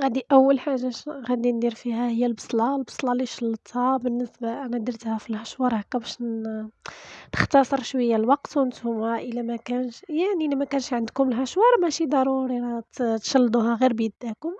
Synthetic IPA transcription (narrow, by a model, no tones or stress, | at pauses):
ɣæd̪iʔæwːəlħaʒːaɣæd̪ind̪iɾfihæhəjːælbɑsˤlɑlbə̥sˤlɑliʃɑlːt̪ɑbənːəsbaʔænæd̪əɾt̪hæfilhæʃwɑɾˤhækːæbæʃn | nəxt̪ɑsˤəɾˤʃwəjːalwɑqt̪wənt̪hʊmæʔəlæmækænʃjaʕnilæmækænʃʕənd̪kʊməlɦæʃwɑɾˤmæʃid̪ˤɑɾˤuɾiɾɑt̪t̪ʃɑlːd̪uhɑɣiɾbjəd̪ːækʊm